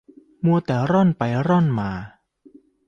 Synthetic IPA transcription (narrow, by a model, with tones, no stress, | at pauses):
mu˧ət̪ɛː˨˩ɾɔ˥˩npa˧jɾɔ˥˩nmaː˧